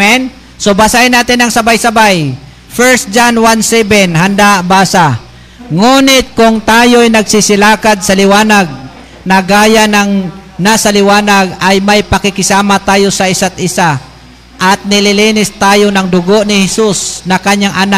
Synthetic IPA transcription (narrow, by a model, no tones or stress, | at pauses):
ɛn | sobasaɪnːaːt̪ɪnɐŋsɐbajsɐbaj | fɛɹst̪̚d͡ʒanwansɛbɛnɦand̪abaːsa | ŋuːnɪt̪̚kʊŋt̪aːjojnɐɡsɪsɪlaːkad̪̚sɐlɪwaːnaɡ̚ | nɐɡaːjanɐŋnasɐlɪwaːnaɡajmɐjpɐkɪkɪsaːmat̪aːjo̞sɐɪsat̪̚ʔɪsa | ʔɐt̪̚nɪlɪliːnɪst̪aːjo̞nɐŋd̪ʊɡo̞ʔnɪhɛsusnɐkaɲːaŋʔɐna